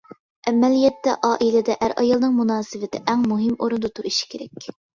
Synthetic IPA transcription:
ʔɛmɛlijɛt̪ːɛ̰ʔɑːʔilɪd̪ɛʔæɾʔɑjɑlˠnɨŋmunɑːsɨvɪt̪ʰɪʔæŋmuɦɪmoɾund̪ɨt̪ʰuɾiʃkʲʰeɾɛkʲ

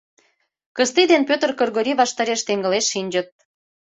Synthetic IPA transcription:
kəst̪id̪enpʲøt̪ərkorɣoɾiβɑʃt̪ɑɾeʃt̪eŋɡə̆leʃːinʲd͡ʑə̆t̪̚

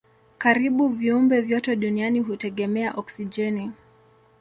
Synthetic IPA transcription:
kaɾiɓuviumbɛvjɔtɛɗunianiɦutɛɠɛmɛaʔɔksid͡ʒɛni

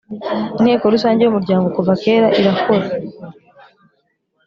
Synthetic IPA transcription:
in̥he̞ːkoɾusaːɲɟiomuɾɟaːŋɡo̞kuvake̞ːɾaʔiɾakʰo̞ɾa

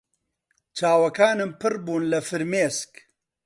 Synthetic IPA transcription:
t͡ʃaːwɐkaːnɨmpɨrbuːnlɐfɨɾmeːsk

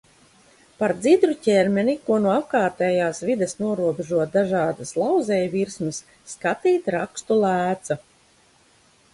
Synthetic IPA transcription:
paɾd̪zid̪ɾucɛɾmʲɛnikuɔnuɔap̚kaːt̪ɛːjaːsvid̪esnuɔɾuɔbeʒuɔt̪̚d̪aʒaːd̪aslˠawzɛjviɾsmɨsːkat̪iːt̪ɾakst̪ulˠæːt̪sa

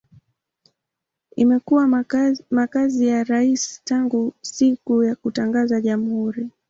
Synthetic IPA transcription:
imɛkuwamakazijaɾaistaŋɡusikujakutaŋɡazaʄamuhuɾi

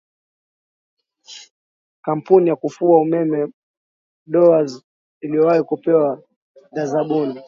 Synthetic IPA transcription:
kam̩punijakufuaumɛmɛ | ɗɔaz | ilijɔwahikupɛwa | ðazaɓuni

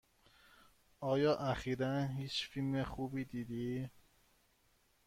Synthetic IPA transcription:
ʔɒːjɒːʔæxiːɾænɦiːt͡ʃfilmexuːbiːd̪iːd̪iː

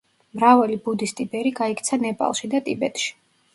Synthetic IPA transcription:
mɾavalibud̪ist̪ʼibɛɾiɡaikʰʼt̪sʰanɛpʼa̰lˠʃid̪at̪ʼibɛt̪ʼʃi̥

